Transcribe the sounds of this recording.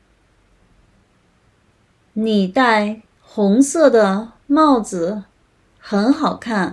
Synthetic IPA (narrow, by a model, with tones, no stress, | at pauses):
ni˨˩t̪a˥˩ɪ | xʊ˧˥ŋsɤ˥˩d̪ə˩mɑ˥˩ʊt͡sɹ̩˨˩ | xə˧˥nxɑ˨˩ʊkʰa˥˩n